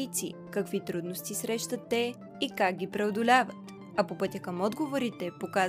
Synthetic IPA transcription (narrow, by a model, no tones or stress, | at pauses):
it̪sḭkɐkvit̪ɾud̪nost̪isɾɛʃt̪ət̪ːɛ | ikaɡ̚ɡʲipɾɛod̪olʲavət̪ | ɐpopɤt̪ʲəkəmɔd̪ɡovoɾit̪ɛpokaz